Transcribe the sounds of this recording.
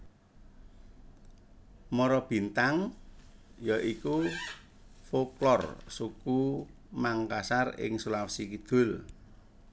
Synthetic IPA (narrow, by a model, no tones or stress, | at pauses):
mɔɾɔb̥i̤nt̪aŋ | jaʔiku | foklɔrsuku | maŋkasarɪ̰ŋsulapsikid̪̥ʊ̤l